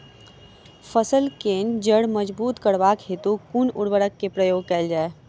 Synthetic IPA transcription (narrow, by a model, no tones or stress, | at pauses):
fəsəlkeːnd͡ʒəɽməd͡ʒbuːt̪kəɽʋaːkɦeːt̪ukunʊɽʋəɽəkːepɾəjoːɡ̚kɐɪld͡ʒaːe